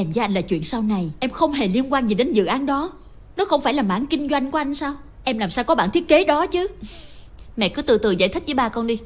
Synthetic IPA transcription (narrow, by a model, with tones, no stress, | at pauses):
ʔɛ˧˩mzəː˨˦ʔa˧jŋlaː˨˩t͡ɕwḭ˧˨ənsaː˧wna˨˩jʔɛ˧mxə˧wŋ͡mɦe˨˩li˧ənkwaː˧nzi˨˩ɗe˨˦nzɨ̰˧˨ʔaː˨˦nɗɔ˨˦ | nɔ˨˦xə˧wŋ͡mfaː˧˩jlaː˨˩ma̰ː˧˥nkï˧ŋ̟zwa˧jŋ̟ku˧˦ʔa˧jŋ̟saː˧w | ʔɛ˧mlaː˨˩msaː˧wkɔ˨˦ɓa̰ː˧˨nt̪ʰi˦˥ət̚ke˨˦ɗɔ˨˦t͡ɕɨ˨˦ | mɛ̰˧˨kɨ˨˦t̪ɨ̰˧˩t̪ɨ˨˩za̰˧jt̪ʰi̟˦˥vəː˨˦jɓaː˧kɔ˧nɗi˧